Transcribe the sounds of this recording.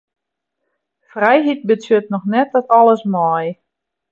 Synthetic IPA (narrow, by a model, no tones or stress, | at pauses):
frɛjɦit̚bɪtsøt̚nɔxnɛt̚ɔtɔlˠəsmɔj